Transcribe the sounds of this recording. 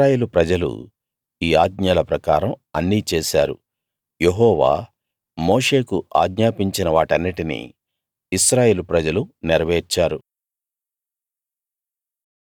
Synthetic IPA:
aːjeːlupɾɐd͡ʒɐlṵ | iːaːɡ̪ɲaːlɐpɾɐkaːɾɐmɐnːiːt͡ʃɛːʃa̰ːɾṵ | jeɦɔːʋa̰ː | moːʂe̞ːkuʔa̰ːɡɲaːpiɲt͡ʃinɐʋaːʈɐnːiʈinḭː | iʃɾaːje̞ːlupɾɐd͡ʒɐluniɾɐʋeːɾt͡ʃːaːɾu

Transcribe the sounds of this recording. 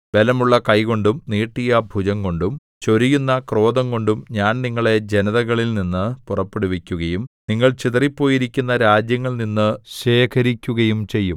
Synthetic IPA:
ʋe̞lɐmuɭːɐkɐjko̞ɳɖumniːʈːijɐbʱud͡ʑɐŋko̞ɳɖum | t͡ɕo̞ɾijunːɐkro̞ːd̪ɐŋko̞ɳɖumɲaːnniŋːɐɭe̞d͡ʑe̞nɐðɐɣɐɭilninːɨpurɐpːeɽuʋikʲːuɣɐjumniŋːɐɭt͡ɕit̪ɐripːo̞ːjiɾikʲːunːɐɾaːd͡ʑjɐŋːɐɭninːɨɕe̞ːkʰɐɾikʲːuɣɐjumt͡ɕe̞jːum

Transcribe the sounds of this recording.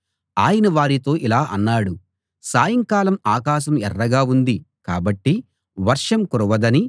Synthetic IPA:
aːjɐnɐʋaːɾit̪o̞ːʔilaːʔɐnːaːɽu | saːjɐŋkaːlɐmaːkaːʃ̬ɐmɛrːɐɡaːund̪i | kaːbɐʈːi | ʋɐɾʂɐmkuɾuʋɐd̪ɐni

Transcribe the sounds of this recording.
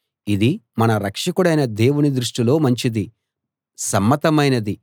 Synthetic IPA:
id̪imɐnɐɾɐkʂɐkuɽɐjnɐd̪e̞ːwunid̪ɾuʂʈilo̞ːmɐɲt͡ʃid̪i | sɐmːɐt̪ɐmɐjnɐd̪i

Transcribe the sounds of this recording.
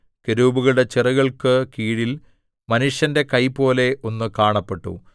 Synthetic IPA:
keɾuːbuɣɐɭɽe̞t͡ɕirɐɣɐɭkɨkiːɽil | mɐnuʂjɐnde̞kɐjpo̞ːle̞ʔo̞nːɨkaːɳɐpːe̞ʈːṵ

